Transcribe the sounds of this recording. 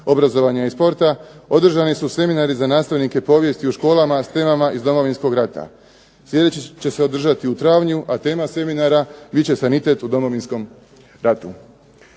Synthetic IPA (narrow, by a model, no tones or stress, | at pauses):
o̞bɾazo̞ʋaɲaispo̞ɾt̪ao̞d̪r̩ʒanisuse̞minaɾizanaːst̪aʋnike̞po̞ːʋje̞st̪iuʃko̞ːlˠamast̪e̞ːmamaʔizd̪o̞mo̞ʋinsko̞ɡɾat̪a̰ | slje̞d̪et͡ɕit͡ɕe̞se̞o̞d̪r̩ʒat̪iut̪ɾaːʋɲuʔat̪e̞ːmase̞minaɾabitt͡ɕe̞sanit̪e̞t̪ud̪o̞mo̞ʋinsko̞m | ɾat̪ṵ